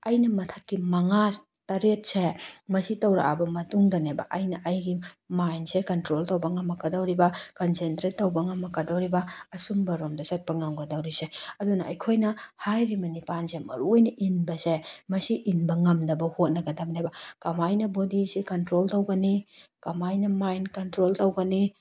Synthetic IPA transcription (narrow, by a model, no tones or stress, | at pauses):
ɐjnɐmɐtʰɐkːimɐŋa | tɐɾet̚semɐsitɐwɾa̰ʔabɐmɐtuŋdɐnebɐ̰ʔɐjnɐʔɐjɡimajnsekɐntɾoltɐwbɐŋɐmːɐkɐdɐwɾibɐkɐnsentɾetːɐwbɐŋɐmːɐkɐdɐwɾibɐːsumbɐɾomdɐsɐt̚pɐŋɐmɡɐdɐwɾiseɐdunɐʔɐ̰jkʰojnɐhajɾimɐnipansemɐ̰ɾuojnɐʔinbɐsemɐsiʔinbɐŋɐmdɐbɐhot̚nɐɡɐdɐbnebɐkɐmajnɐbodisikɐntɾoltɐwɡɐnikɐmajnɐmajnkɐntɾoltɐwɡɐni